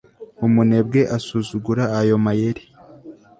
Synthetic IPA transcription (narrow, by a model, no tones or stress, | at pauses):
umune̞b̚ɡe̞ʔasuzuɡuɾaːjo̞majeɾi